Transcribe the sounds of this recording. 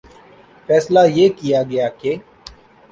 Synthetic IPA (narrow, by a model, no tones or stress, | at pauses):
fɛːslaːjeːkijaːɡɐjaːkeː